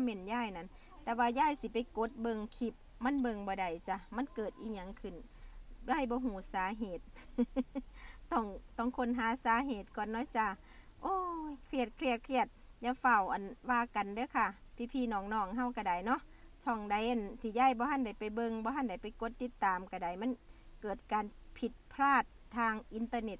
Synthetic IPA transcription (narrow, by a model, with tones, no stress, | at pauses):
mɛ˧˨njaː˧˩˨jna˧˥˨n | t̪ɛː˧waː˧jaː˧˥˨jsi˧˦pa˨jko˧˦t̪̚bɤ˧ŋkʰi˧˦p̚ | ma˧˥˨nbɤ˧˨ŋbɔː˧da˧˩jt͡ɕa˧ma˧˥˨nkɤː˨˩t̪̚ʔiː˧˩ɲa˧˨ŋkʰɯ˧˩nja˧˨jbɔː˧˦ɦuː˧˩saː˨˦ɦeː˨˩t̪̚ | ɔ˧˩ŋt̪ɔ˧˩˨ŋkʰo˧˨nɦaː˨˧˦saː˨˦ɦeː˧˨˩t̪̚kɔː˨nːɔː˧˥˨t͡ɕa˧ | ʔoː˧˩kʰli˧˩ət̪̚kʰli˧˩ət̪̚kʰli˧˩ət̪̚ja˧fa˧˩˨wʔa˨nwaː˧˨ka˨ndɯ˧˨˦wkʰa˧˩pʰiː˧˩pʰiː˧˥˨nɔː˧˨ŋnɔː˧˩ŋɦa˧˨wka˧˩da˨˩jnɔ˧˥˨ʔ | tʰɔ˧˩˨ŋda˧˦jʔa˧˨nt̪ʰiː˧˦ja˧˩˨jbɔː˧ha˧˥˨nda˧˩jpa˨jbɤ˧ŋbɔː˧˦ɦa˧˨nda˧˩jpa˨jko˧˦t̪ːi˧˦t̪ːaː˨mka˧˩da˨˩jma˧˥˨nkɤː˨˩t̪̚kaː˨npʰi˧t̪̚pʰlaː˧˩t̪̚ʰːaː˧ŋʔi˨˧˨nt̪ɤː˧ne˧t̪